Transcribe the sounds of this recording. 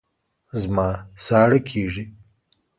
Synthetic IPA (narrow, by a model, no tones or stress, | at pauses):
zmɑːsɑːɽəkʰiːʐi